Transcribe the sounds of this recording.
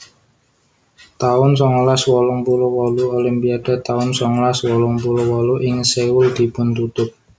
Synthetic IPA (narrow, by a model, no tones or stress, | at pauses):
t̪aʊnsɔŋlaswɔlɔŋpulowɔluolimpiaɖ̥a̤t̪aʊnsɔŋlaswɔlɔŋpulowɔluʔɪŋsewʊld̪̥i̤pʊnt̪ut̪ʊp̚